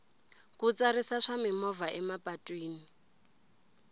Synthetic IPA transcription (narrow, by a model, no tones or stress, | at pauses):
kut͡sʼaɾisaʂamɪmɔvaʔɛmapʼatʼwiːni